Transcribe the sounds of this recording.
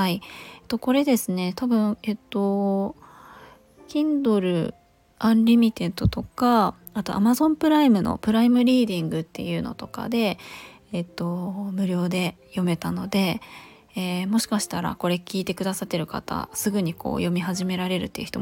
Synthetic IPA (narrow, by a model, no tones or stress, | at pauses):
haiet̪o̞ko̞ɾe̞d̪e̞sɨne̞t̪abɯ̟̃ɴet̪ːo̞ | kʲĩnd̪o̞ɾɯ̟ | ãnɾʲimʲit̪e̞t̪o̞t̪o̞ka | at̪o̞̰ʔa̰mazõ̞mpɯ̟ɾaimɯ̟no̞̰pɯ̟ɾaimɯ̟ɾʲiːd̪ĩŋɡɯ̟t̪ːe̞̰jɯ̟ːno̞̰t̪o̞ka̰d̪e̞ː | t̪ːo̞mɯ̟ɾʲo̞ːd̪e̞ | jo̞me̞t̪ano̞d̪e̞ | eːmo̞ɕi̥kaɕi̥t̪aɾa̰ko̞ɾe̞kʲiːt̪e̞kɯ̟d̪asat̪ːe̞ɾɯ̟ka̰t̪a̰sɨɡɯ̟ɲ̟iko̞̰ːjo̞mʲiɦaʑime̞ɾaɾe̞ɾɯ̟t̪ːeiɯ̟çi̥t̪o